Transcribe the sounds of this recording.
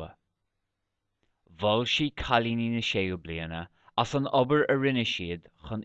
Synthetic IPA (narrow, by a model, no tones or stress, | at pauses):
ə̰ | vɔlʃiːkʰalininəʃejəbliːənə | asənɔbəɹəɹɪnəʃiːd̪ | xən